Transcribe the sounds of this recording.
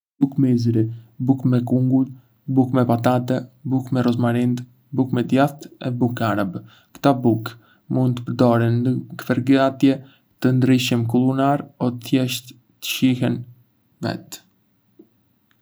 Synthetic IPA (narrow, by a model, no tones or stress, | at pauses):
bukmizɾibukmɛkuŋɡut̪ | bukmɛpat̪at̪ɛbukmɛɾɔzmaɾind̪ | bukmɛd̪jaθt̪ɛ̰bukaɾab | kt̪abuk | mund̪t̪ːə̥pəɾd̪ɔɾinəkfɛɾɡat̪jɛ | t̪ənd̪ɾiʃəmkulˠunaɾɔt̪θjɛʃt̪ | t̪ə̥ʃiɦɛn | vɛ̰t̪